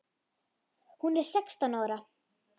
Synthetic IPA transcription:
hunɛɾ̥sɛkst̪anaːɾa

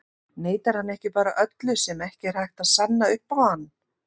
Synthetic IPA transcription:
neːjt̪aɾ̥hanːɛhcɪpaːɾaʔœt̪lʏsɛmɛhcɪɛɾ̥hajxt̪aðsanːaʏhpawhanː

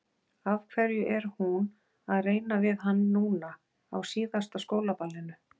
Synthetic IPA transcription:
avkʰvɛɾjʏʔɛɾ̥hun | aðreːjnavɪðɦanːuːna | a̰wsiːðast̪askoːwlapalːɪnʏ

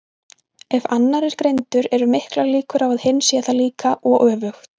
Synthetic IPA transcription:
ɛvanːaɾɛɾ̥kɾejnt̪ʏɾɛɾʏmɪhklaɾliːkʏɾavaðhɪnːsjaθaliːkʰaʔɔɣʔœːvʏxt̪

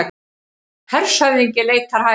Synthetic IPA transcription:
hɛɾ̥sœɥðiɲcɪleːjt̪ʰaɾ̥haː

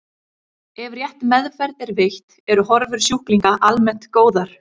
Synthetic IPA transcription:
ɛvrjɛht̪mɛðfɛɾðɪɾvɪht̪ | ɛɾʏɦɔɾvʏɾ̥sjuhkliŋkaʔalmɛn̥t̪koːwðaɾ̥

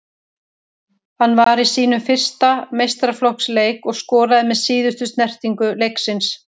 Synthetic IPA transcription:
hanːvaɾisiːn̪ʏmfɪr̥st̪amejst̪ɾaflohksleːjkɔɣskɔːɾaðɪmɛðsiːðʏst̪ʏst̪nɛr̥t̪iŋkʏlejksɪns

